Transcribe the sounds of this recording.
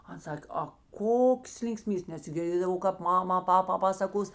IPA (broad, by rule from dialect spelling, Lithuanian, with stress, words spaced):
ˈɐn ˈsɐkʲ ɐ ˈkoːks lʲɪŋkˈsʲmʲiːbʲeːs nʲɛs ɡʲɪrʲˈdʲeːdɐʋɐʊ kɐp ˈmɑːmɐ ˈpɑːpɐ ˈpɑːsɐkoːs